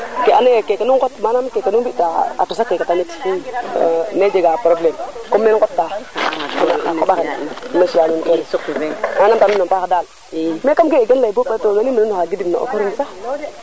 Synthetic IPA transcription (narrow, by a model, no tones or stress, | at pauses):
keʔanekekanuŋkotmanamkekanuŋbitaa̰tus̬akekatamet | med͡ʒeɡapɾoblemkomːenkotːa | a̰a̰kobaxenmeʃianunkoɾimanamtaminompakadal | mekamkeɡenlabupetoɡeniminunaxaɡidimna̰ʔo̰koɾinsa